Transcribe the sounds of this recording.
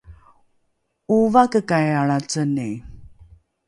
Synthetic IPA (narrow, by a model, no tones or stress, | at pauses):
uvakəkajaɭat͡sənej